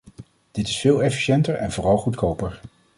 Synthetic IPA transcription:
d̥ɪtɪ̥sfɪːlˠɛfi̥ʃɛntəɹɛ̰nvʊːrɑlˠχutkowpəɹ

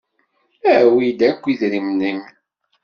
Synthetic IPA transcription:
æwid̪ækʷːiðɾimnəm

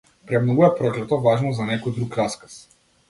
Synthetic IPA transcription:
pɾɛmnɔɡujapɾɔklɛt̪ɔvaʒnɔzanɛkɔjd̪ɾukɾaskḁs

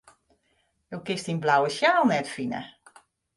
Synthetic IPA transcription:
jowkɪstinblawəsjaːlˠnɛtfinə̰

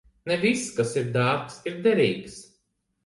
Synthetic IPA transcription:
nɛviskasiɾd̪aːɾksiɾd̪ɛɾiːks

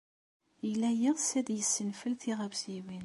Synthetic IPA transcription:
jəlːæjiʁsæd̪jəsːənfəlθiʁəvsiwin

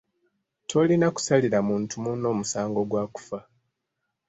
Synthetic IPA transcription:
tʰo̞linaku̥saliɾamuːntʰumuno̞ːmusaːŋɡo̞ɡwaːku̥fa

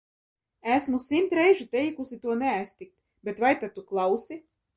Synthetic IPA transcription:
æsmusimt̪ɾɛjʒut̪ɛjkusʲit̪uɔnɛajst̪ik̚t̪ | bʲet̪vajt̪at̪uklˠawsʲi

